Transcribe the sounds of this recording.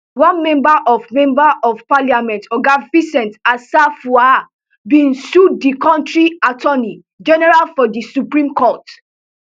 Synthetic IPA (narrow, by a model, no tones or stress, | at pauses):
wãnmɛ̃mbaʔɔvmɛ̃mbaʔɔvpaljamɛ̃ntɔɡavisɛ̃ntasafua | bĩnsudikɔ̃ntɹiatɔni | d͡ʒɛnɛɹalfɔdisupɹĩmkɔt